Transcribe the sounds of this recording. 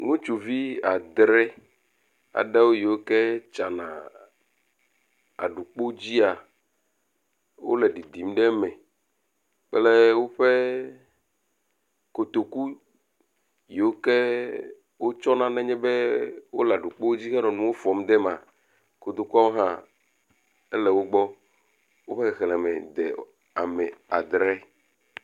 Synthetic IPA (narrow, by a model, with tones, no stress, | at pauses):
ŋũ˦t͡ʃu˨vi˦a˨d̪ɾɛ˦ | a̰˨ɖɛ˦wo˦je˨wo˦kɛ˦t͡ʃa˨nã˨ | a̰˨ɖu˨k͡po˦d͡ʑi˦a˨ | wo̰˦lɛ˨ɖi˨d̪i˨m˦ɖe˦mɛ̃˨ | k͡pɛ˦le˦wo˦ɸe˦ | ko˨t̪o˨ku˦ | je˨wo˦ke˦ | wo˦t͡ʃɔ˦nã˦nɛ̃˦ɲɛ˦be˦wo˦lɛ˨a˨ɖu˨k͡po˦o˦d͡ʑi˦ɣɛ˦nɔ̃˨nũ˦wo˦fɔ˨m˦d̪ɛ˦mã˨ | ko˨d̪o˨ku˦a˦wo˦ɦã˦ | e˦lɛ˨wo˦ɡ͡bɔ˦ | wo˦ɸe˦ɣɛ˨ɣɛ˨lɛ˨mɛ̰˨d̪ɛ̰˨ | a̰˨mɛ˨a̰˨d̪ɾɛ˦